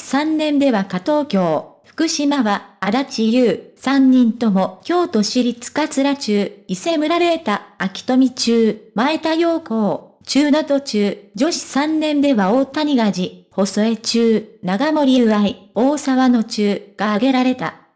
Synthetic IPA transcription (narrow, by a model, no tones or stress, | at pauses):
sãnːẽ̞nd̪e̞βakat̪o̞ːkʲo̞ːɸɯ̥kɯ̟ɕimaβaːd̪at͡ɕijɯːsãɲ̟ːĩnt̪o̞mo̞kʲo̞ːt̪o̞ɕiɾʲit͡sɨ̥kat͡sɨɾat͡ɕɨːise̞mɯ̟ɾaɾet̪aːkʲi̥t̪o̞mʲit͡ɕɨːmae̞t̪ajo̞ːko̞ː | t͡ɕɨːnot̪o̞t͡ɕɨːd͡ʑo̞ɕi̥sãnːẽ̞nd̪e̞βaoːt̪aɲ̟iɡaʑiho̞so̞e̞t͡ɕɨːnaɡamo̞ɾʲiaio̞ːsaβano̞t͡ɕɨːɡ̥aːɡe̞ɾaɾe̞t̪a̰